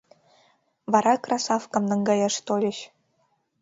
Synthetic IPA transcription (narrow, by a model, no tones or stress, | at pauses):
vɑɾɑkrʔɑsɑfkɤ̆mnɤ̆ŋɡɑjɑʂt̪olʲɘ̆ɕ